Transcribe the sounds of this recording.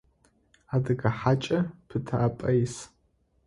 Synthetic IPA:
adɨɡaħat͡ʃʼɐpʰɨtʰaːpʼɐjs

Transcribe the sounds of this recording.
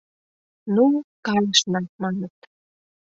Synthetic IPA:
nukɑjəʃnɑmɑnət̪

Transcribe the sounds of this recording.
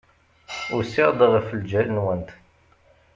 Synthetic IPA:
ʊɾsiʁd̪ˤəʁəfəld͡ʒælənwənt̪

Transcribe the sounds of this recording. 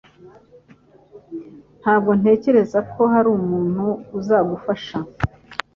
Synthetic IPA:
n̥haːbɡo̞n̥e̞ːce̞ɾe̞zakʰo̞haɾuːmuːn̥huːzaːɡufaʃa

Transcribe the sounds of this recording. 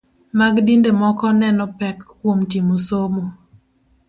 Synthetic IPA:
maɡdindemɔkɔnɛnɔpɛkkwomtimosomo

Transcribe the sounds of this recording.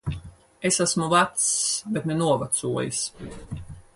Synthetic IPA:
esasmuvat̪sbet̪nenuɔvat̪suɔjḭs

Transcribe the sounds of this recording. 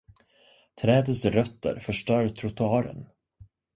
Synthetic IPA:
t̪ʰɾɛːd̪əsɾœt̪ːə̰ɾfœʂʈœːɾt̪ʰɾʊt̪ʰʊɑːɾə̰n

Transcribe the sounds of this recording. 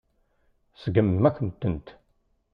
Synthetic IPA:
səɡəmːækːnt̪ːənt̪

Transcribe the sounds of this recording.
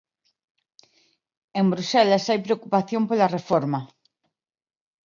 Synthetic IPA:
embɾusɛlasajpɾeokupaθjompolɐrefɔɾmɐ

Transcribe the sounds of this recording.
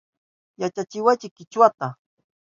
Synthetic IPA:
jat͡ʃat͡ʃɪwajt͡ʃɪkɪt͡ʃwat̪a

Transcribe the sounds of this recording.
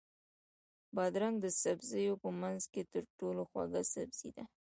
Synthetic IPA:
bɑd̪ɾaŋɡd̪əsabzəjopəmanzket̪əɾʈoloxwa̰ɡasabz̥ḭd̪a

